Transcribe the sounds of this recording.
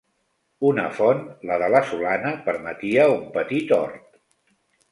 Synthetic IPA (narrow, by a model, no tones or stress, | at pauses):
unəfɔnləðələsulanəpəɾmət̪iəumpət̪it̪ɔɾt̪